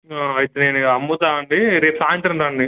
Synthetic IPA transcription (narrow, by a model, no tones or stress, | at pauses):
aːɐjit̪eneːniɐmːut̪aːɐɳɖiɾeːʈsaːjɐnt̪ɾɐnd̪aːɳɖi